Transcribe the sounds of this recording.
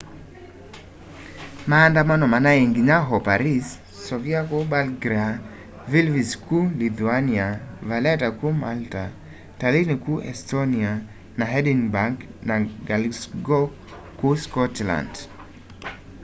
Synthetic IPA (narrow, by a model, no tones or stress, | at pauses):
maːndamanɔmanaɛŋɡiɲaɦɔpaɾisː | ɔviakɔɓalɡɾia | vilviskʰulit̪uaniavalɛtakumalta | talinikuʔɛ̰stɔnia | naɦɛdinbaŋknaɡalsɡɔ | kuskɔtla̰nd